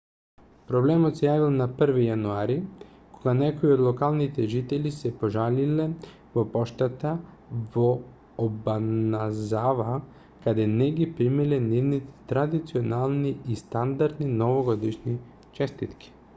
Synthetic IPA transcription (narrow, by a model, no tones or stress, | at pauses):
pɾɔblɛmɔt̪sɛjavilˠnapr̩vijanuaɾi | koɡanɛkoiod̪lˠɔkalˠnit̪ɛʒit̪ɛlisɛpoʒalilɛ | vopɔʃt̪at̪a | voː | banazava | kad̪ɛnɛɡipɾimilɛnivnit̪ɛ̥t̪ɾad̪it̪sionalˠniist̪and̪aɾd̪ninɔvoɡɔd̪iʃni | t͡ʃɛst̪it̪ki̥